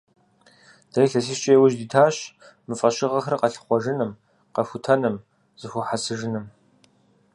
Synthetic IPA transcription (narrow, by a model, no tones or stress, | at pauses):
d̥ɐiɬɐs̬iʃt͡ʃʼeːwʊʒdiːtʰaːɕ | mɨfʼɐɕɪʁɐxrɨqɐɬɨ̥χʷɔʒɨnɨm | qɐxʷʊtʰɐnɨm | z̥ɨxʷʊħasɨʒɨnɨm